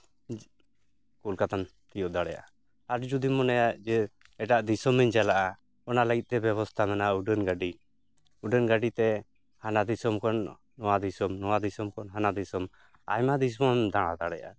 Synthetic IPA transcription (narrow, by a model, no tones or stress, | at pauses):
kulkat̪ant̪ijɔʔd̪aɽɛja̰ʔa | ad͡ʒd͡ʒud̪imɔnɛjad͡ʒɛ | ɛʈaʔd̪isɔmiɲd͡ʒalaʔa | ɔnaləɡit̪̚t̪ɛbɛβɔst̪ʰamɛnauɖənɡaɖi | uɖənɡaɖit̪ɛ | hanad̪isɔmkɔnː | ɔwad̪isɔmnɔwad̪isɔmkɔnɦanad̪isɔm | a̰jmad̪isɔmɔmd̪aɽ̃a̰d̪aɽɛjaʔa